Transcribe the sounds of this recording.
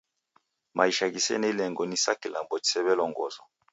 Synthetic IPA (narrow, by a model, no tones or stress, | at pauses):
mʔaiʃakisɛ̰nalɛŋɡɔnisakilambɔki̥sɛβɛlɔŋɡɔzɔ